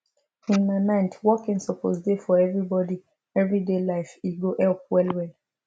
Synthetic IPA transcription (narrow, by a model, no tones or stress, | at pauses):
ĩnːanãɪ̃ntwɔkĩŋsɔpʰɔ̰zdefɔɛvɹibɔdi | ɛvɹidelaɪfiɡoʔɛlp̚wɛlwɛl